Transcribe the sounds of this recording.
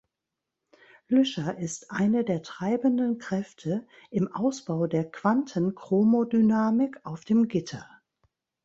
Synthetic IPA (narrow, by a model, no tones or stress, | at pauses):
lʏʃɐʔɪstʔaɪnədeːɐtʁ̥aɪbəndənkʁ̥ɛftʰə | ʔɪmʔa̰ʊsb̥aʊdeːɐkv̥antʰənkʁ̥oːmodynaːmɪkaʊfd̥eːmɡɪtʰɐ